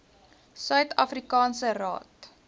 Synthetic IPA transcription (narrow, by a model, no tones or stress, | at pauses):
sœɥtɐfrikɑːnsərɑ̰ːt